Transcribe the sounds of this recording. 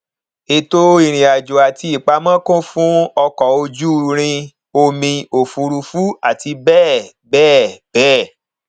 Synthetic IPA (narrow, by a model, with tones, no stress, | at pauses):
e˧to˦i˦˨ɾ̃ĩ˨a˨d͡ʒu˨a˨ti˧˦i˨k͡pa˧mã˦kõ˦fũ˦ɔ˧kɔ˨o˧d͡ʒu˦ɾ̃ĩ˧ | o˧mĩ˧o˨fu˧ɾu˧fu˦a˨ti˧bɛː˦˨ | bɛː˦˨b̥ɛː˦˨